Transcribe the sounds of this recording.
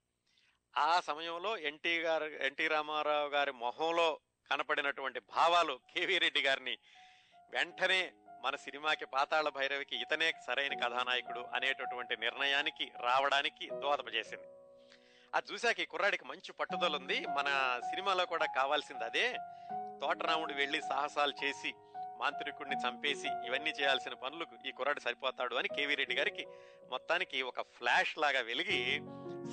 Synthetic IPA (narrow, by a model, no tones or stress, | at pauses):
aːsɐmɐjɐmlo̞ːeɳʈiːɾeɳʈiːɾaːmaːɾaːʋuɡaːɾimɔɦɐmlo̞ː | kɐnɐpɐɽinɐʈuʋɐɳʈibʱaːʋaːlukʰeːʋiːɾe̞ɖːiɡaːɾini | ʋeɳʈɐne̞ːmɐnɐsinimaːkipaːt̪aːɭɐbʱɐjɾɐʋikiːt̪ɐne̞ːkɐsɐɾɐjnɐkɐd̪ʱaːnaːjɐkuɽuʔɐ̰neːʈɐʈuʋɐɳʈiniɾɳɐjaːnikiɾaːʋɐɽaːnikid̪ʋaːd̪ɐpɐt͡ʃe̞ːsind̪i | ɐ̰t͡ʃuːsaːkɐiːkuɾaːɽikimɐɲt͡ʃipɐʈːud̪ɐlund̪imɐnɐsinimaːlo̞ːkuːɽaːkaːʋaːlsind̪iɐd̪e̞ːt̪ɔːʈɐnaːmuɽuʋeɭːisa̰ːɦɐsaːlut͡ʃe̞ːsi | maːnt̪ɾikunit͡ʃɐmpe̞ːsiiʋɐnːiːt͡ʃɛːjaːlsinɐpɐnulɐkuiːkuɾːaːɽisɐɾipɔːt̪aːɽuɐnikeːʋiːɾeɖːiɡaːɾiki | mɔt̪ːaːnikiɔkɐpʰlaːʂlaːɡaːʋeliɡi